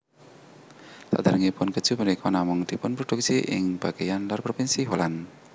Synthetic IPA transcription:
t̪a̰ʔd̪aɾəŋipʊnkə̥d͡ʒ̥umənikʰɔnamʊŋd̪̥ipʊnpɾod̥uk̚siʔɪ̰ŋb̥aɡ̥ajanlɔrpɾopinsiɦolan

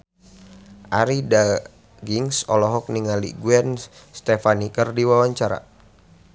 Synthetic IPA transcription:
ʔaɾida | ɡiŋsɔlɔɦɔk̚niŋalḭɡuɛnst̪ɛfanikərdiwawaɲt͡ʃaɾa̰

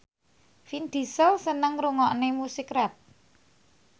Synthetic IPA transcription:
find̪̥i̤səlsənəŋɾuŋɔʔnemusikrɛp̪̚

